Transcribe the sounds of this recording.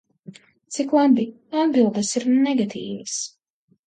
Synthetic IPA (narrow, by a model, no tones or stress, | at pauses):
t̪siklˠabi | ad̪bilˠd̪ɐsiɾnɛɡat̪ʰḭːvɐs